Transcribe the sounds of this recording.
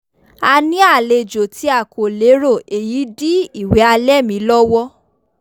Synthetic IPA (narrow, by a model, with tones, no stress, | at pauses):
a˧nĩ˦a˦˨le˧˨d͡ʒo˨ti˨˧˦a˨kʰo˨le˨˦ɾo˦˨e˨ji˨˦di˦i˦˨we˨˦a˧lɛ˦˨mĩ˧˦lɔ˦wɔ˦